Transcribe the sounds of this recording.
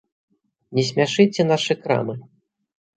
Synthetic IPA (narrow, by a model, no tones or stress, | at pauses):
nʲɛsʲmʲaʂɨt͡sʲɛnaʂɨkɾa̰mɨ